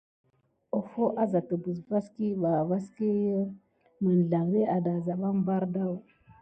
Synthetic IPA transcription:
o˨fo˦ʔa˦za˨tə˨bə˨sva˦ski˦ba˨va˦ski˦jə˦ | mə˨n˨ɮa˨ŋɾe˦a˨da˨za˨ɓa˦m˦ba˦ɾda˦w

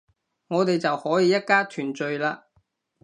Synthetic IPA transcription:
ŋɔː˨˧t̪e˨jt͡sɐ˨whɔː˨˥jiː˨˧jɐ˥t̚kaː˥t̪ʰyː˨˩nt͡ʃɵ˨ɥlaː˧

